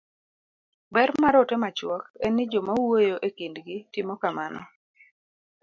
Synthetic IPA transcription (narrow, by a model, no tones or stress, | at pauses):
bɛrmaɾɔtɛmat͡ʃwɔkɛnːɪd͡ʒɔmawojoʔekindɡɪtɪmɔkamanɔ̰